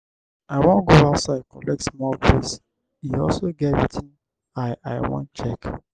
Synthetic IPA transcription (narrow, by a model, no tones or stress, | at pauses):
aɪwɔ̃nɡoatsakɔlɛk̚tsmɔlɡɹes | iɔlsoɡɛtɹitʰĩn | aɪʔaɪwɔ̰̃ntt͡ʃɛk